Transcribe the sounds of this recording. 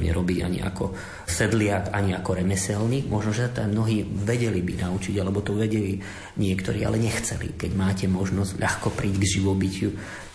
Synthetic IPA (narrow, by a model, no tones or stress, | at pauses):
ɲɛ̰ɾɔbiɟa̰ɲḭa̰kɔ | sɛd̪lɪakaɲiakɔɾɛmɛsɛlnimɔʒnɔʒɛsat̪amnɔɦiːʋɛɟɛlibinaut͡ʃiɟalɛbɔt̪ɔʋɛɟɛli | ɲɪɛkt̪ɔɾiːa̰lɛɲɛxt͡sɛlḭkɛɟmaːcɛmɔʒnɔzɟʎʔaxkɔpɾiːɟɡʒiʋɔbicɪu